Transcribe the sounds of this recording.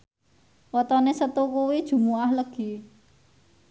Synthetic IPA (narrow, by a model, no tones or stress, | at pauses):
wɔt̪ɔnesət̪ukuwid̥ʒ̥ṳmuahləɡ̥i̤